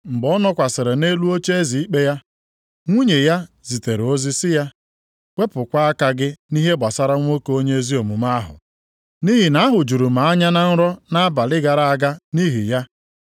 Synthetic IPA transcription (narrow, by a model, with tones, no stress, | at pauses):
ŋ͡m̩˨ɡ͡bɔ˦nɔ˦kʷa˨sɪ˨ɾɪ˨ne˦lu˦o˦t͡ʃe˦e˦zi˨i˦k͡pe˦ja˦ | ŋʷu˦ɲe˨ja˦zi˨te˨ɾo˦zi˦sɪ˦ja˦ | kʷe˦pʊ˨kʷa˦a˦ka˦ɡɪ˦ni˦ɦe˦ba˨sa˦ɾa˦ŋʷ˦o˦ko˦ɲe˦e˦zi˦o˨mu˨ma˦ɦʊ̰˨ | ni˦ɦi˨na˨˦a˦ɦʊ˨d͡ʒu˨ɾu˨ma˨a˦ɲa˦na˦n̩˦ɾɔ˦na˦a˦ba˨lɪ˦ɡa˨ɾa˨a˨ɡa˦ni˦ɦi˨ja˦